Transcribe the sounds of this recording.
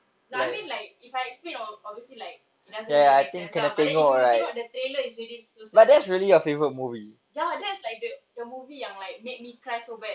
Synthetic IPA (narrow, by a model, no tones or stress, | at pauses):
naajmĩnlaɪk̚ifajɛksplẽnɔlpɔvəsilaɪk̚ | inasjɛajt̪ĩŋkkːɛ̃nɛt̪ɛ̃ŋoɔɹajtɔdət̪ɾeləisɹilisosbat̚dɛtsɹiəlijəfevəɹət̚muvi | jadɛtslaɪk̚dədəmuvijãŋlaɪk̚mek̚mikɹajsobɛt̚